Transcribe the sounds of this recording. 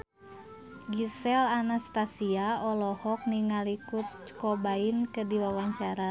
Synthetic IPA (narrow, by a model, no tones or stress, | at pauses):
ɡisɛlanast̪asiaɔlɔhɔk̚niŋalikut̪̚t͡ʃkɔbainkədiwawaɲt͡ʃaɾa